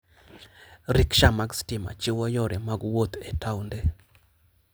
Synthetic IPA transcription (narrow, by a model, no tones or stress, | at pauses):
ɾikʃamaɡstɪma̰t͡ʃɪwɔjɔɾɛmaɡwot̪ɛtʰawnde